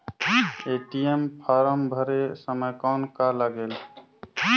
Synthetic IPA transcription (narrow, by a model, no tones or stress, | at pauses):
eʈijempʰaɾəmbʱəɾesəməjkɔnkalaɡel